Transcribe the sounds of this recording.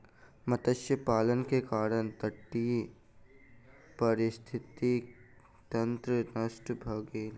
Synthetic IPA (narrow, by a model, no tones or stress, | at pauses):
mɐt̪əʃjəpaːlənkekaːɾəɽ̃t̪ɐʈːiː | pɐɾɪst̪ʰɪt̪i | t̪ɐ̃nt̪ɾənɐsʈbʱɐɡeːn